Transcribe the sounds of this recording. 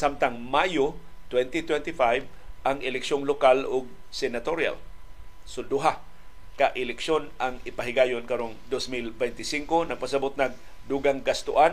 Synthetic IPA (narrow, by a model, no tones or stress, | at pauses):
samt̪aŋmajot̪wɛnt̪it̪wɛnt̪ɪfajvʔaŋɪlɛkʃoŋlokalʊɡ̚sɛnat̪oɾja̰l | sod̪ʊɦa | kaʔɪlɛkʃonʔaŋɪpaɦɪɡaːjonkɐɾoŋd̪osmilbɛjnt̪ɪsiŋkonɐɡ̚pasabʊt̪̚nɐɡ̚ | d̪uɡaŋɡast̪ʊʔan